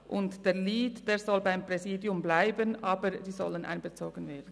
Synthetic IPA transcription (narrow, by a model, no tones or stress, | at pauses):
ʔʊntd̥eːliːtd̥eːɾzɔlbaɪmpʁɛziːdjʊmblaɪbənʔɑːbəɾdiːzɔlənʔa̰ɪnbət͡soːɡ̥ən̩veːɐdn̩